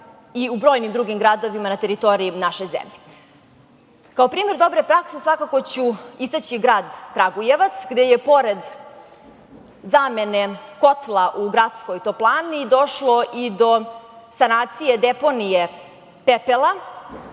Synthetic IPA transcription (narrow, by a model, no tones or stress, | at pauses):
iubɾo̞jnimd̪ɾuɡʲimɡɾad̪o̞ʋimanat̪eɾit̪o̞ɾiinaʃe̞zḛmʎe | kao̞pɾiːmeɾd̪o̞bɾepɾaksesʋakakot͡ɕuist̪at͡ɕiɡɾaːd̪kɾaɡujeʋat̪sɡd̪ejepo̞ɾed̪ | zamene̞ko̞t̪lˠaʔuɡɾat̪skojt̪oplˠaːnid̪o̞ʃlo̞ʔid̪o̞sanaːt̪sije̞d̪epo̞nije | pepelˠa